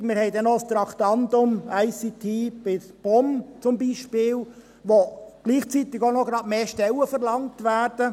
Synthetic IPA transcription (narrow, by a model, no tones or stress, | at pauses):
mɪɾhɛɪdɛnɔst̪ɾɑktɑntʊmæɪsit̪ʰiːb̥ɪsb̥ɔmt͡sʊmbiːʃpɪːl | ʋoɡ̥liːχt͡sit̪ɪɡonɔɡɾɑːdmeːʃtɛləfəɾlɑŋtʋæːɾd̥ə